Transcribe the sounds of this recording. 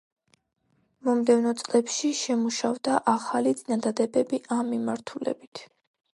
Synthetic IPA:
mɔmd̪ɛvnɔt̪sʼlɛpʃiʃɛmuʃavd̪aʔaχalit̪sʼinad̪ad̪ɛbɛbiʔamːimaɾt̪ʰulɛ̰bit̪ʰ

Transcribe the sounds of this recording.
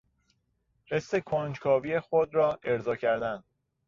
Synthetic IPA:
hesːekʰond͡ʒkʰɒːviːjexod̪ɾɒːʔe̞ɾzɒːcʰæɾd̪ænd̪

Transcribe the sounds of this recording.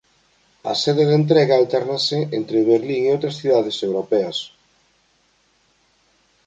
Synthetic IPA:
ɐ̰seðeðent̪ɾɛɣɐalt̪ɛɾnaseent̪ɾeβeɾliŋeowt̪ɾɐsθiðaðesewɾopɛɐs

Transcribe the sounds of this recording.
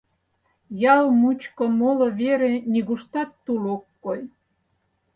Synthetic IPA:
jɑlmut͡ɕkŏmolŏβeɾenʲiɣuʃt̪ɑt̪ːulokːoj

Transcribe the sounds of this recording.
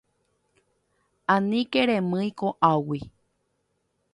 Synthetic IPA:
ãnĩkeɾẽmɨ̃ĩkoʔawi

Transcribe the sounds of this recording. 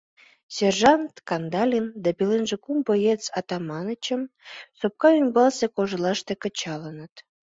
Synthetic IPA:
sʲerʒɑnt̪kɑnd̪ɑlʲind̪ɑbelenʒekumbəjet͡sɑt̪ɑmɑnət͡ɕəmsop̚kɑymbɑlsekoʒəlɑʃt̪ekə̆t͡ɕɑlənət̪

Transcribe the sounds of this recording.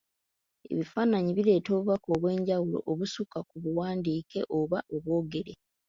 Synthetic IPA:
e̞̰βifaːnaɲiβile̞ːto̞ːβuβako̞ːβwe̞ːɲɟawulo̞̰ʔoβusukakuβuwaːndiːke̞̰ʔo̞βaʔoβwo̞ːɡe̞ɾe

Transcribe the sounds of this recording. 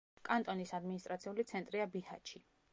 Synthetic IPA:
kʼant̪ʼɔnisad̪minist̪ʼɾat̪sʰiulit̪sʰɛnt̪ʼɾiabiha̰t͡ʃʰi

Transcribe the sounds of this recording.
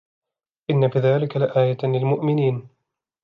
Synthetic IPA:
ʔɪnːabɪðaːlɪkalɪʔaːjalɪlmʊʔmɪniːn

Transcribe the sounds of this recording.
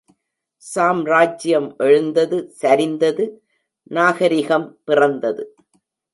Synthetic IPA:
saːmɾaːd͡ʒɪjɐmʔɛɻɯnd̪ɐðɯsɐɾɪnd̪ɐðɯ | naːɣɐɾɪɣɐmpɪrɐnd̪ɐðɯ

